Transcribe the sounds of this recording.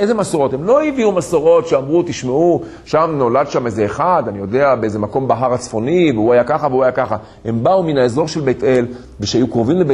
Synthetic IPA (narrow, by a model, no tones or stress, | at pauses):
ezemasoʁo̞temlo̞iviumasoʁo̞tʃeamʁut̪iʃmeu | ʃamno̞ladʃamezeːχadanijo̞de̞abeezemako̞mbaɦaʁat͡sfo̞niveuajakaχaveuajakaχa | he̞mbauminaezo̞ʁʃe̞lbete̞l | veʃeajukʁovimlebe